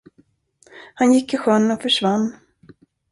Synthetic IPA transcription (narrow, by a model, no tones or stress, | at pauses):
hanjɪkːɪɧœnːɔfœʂvanː